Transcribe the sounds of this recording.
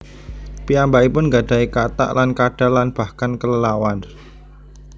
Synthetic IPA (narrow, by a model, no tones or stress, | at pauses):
piambaipʊnɡaɖ̥a̤ikat̪a̰ʔlankaɖ̥alanb̥a̤hkankələlawan